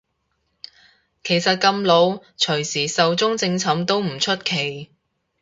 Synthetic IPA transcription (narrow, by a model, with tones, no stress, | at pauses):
kʰe˨˩jsɐ˨t̚kɐ˧mlo˨˧wt͡ʃʰɵ˨˩ɥsiː˨˩sɐ˨wt͡sʊ˥ŋt͡sɪ˧ŋt͡sʰɐ˨˥mt̪o˥wm̩˨˩t͡ʃʰɵ˥t̚kʰe˨˩j